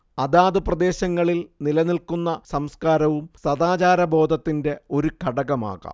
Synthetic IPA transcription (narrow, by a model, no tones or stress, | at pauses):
ɐðaːd̪ɨprɐd̪e̞ːɕɐŋːɐɭilnilɐnilkunːɐsɐmskaːɾɐʋumsɐðaːt͡ɕaːɾɐbo̞ːd̪ʱɐt̪ːinde̞o̞ɾukʰɐɽɐɣɐma̰ːɣɐ̰m